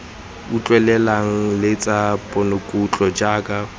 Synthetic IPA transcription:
ut͡ɬʼwɛlɛlaŋ̩lɪt͡sʼapʼɔnokʼut͡ɬʼɔd͡ʒaːkʼa

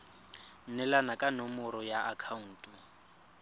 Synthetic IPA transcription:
nɛlanakʼanɔmʊɾɔjaʔakʰauːtʼu

